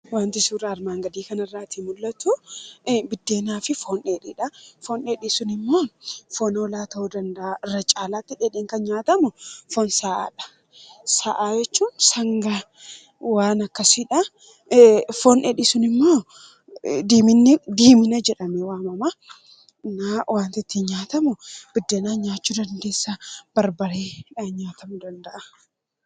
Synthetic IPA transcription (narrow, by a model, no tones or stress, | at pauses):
waːnt̪ɪsuːraɾmaːŋɡɐd̪iːkɐnɐrːaːt̪imʊlːɐt̪ʊ | bɪd̪ːe̞ːnaːfɪfoːneːᶑiᶑɐfoːneːᶑisʊnɪmːo̞ːfoːnoːlaːt̪ɐhod̪ɐnd̪ɐʔaɪɾːɐt͡ʃʼaːlaːt̪ːɪᶑeᶑɪːŋkɐnɲaːt̪ɐmʊfɔnsaːʔa̰ːᶑɐ̥ | saːʔaːd͡ʒɛt͡ʃːuːnsɐŋɡa | waːnɐkːɐsɪᶑɐ | fɔnɛᶑɪsʊnɪmːoː | d̪iːmɪnːɪd̪iːmɪnɐd͡ʒɛᶑɐmɛwaːmɐma | nawaːnt̪ɪt̪ːinɲaːt̪ɐmʊb̥ɪd̪ːɐnaːɲaːt͡ʃːud̪ɐnd̪e̞ːsːab̥ɐɾbɐɾeːaɲaːt̪ɐmʊd̪ɐnd̪ɐʔɐ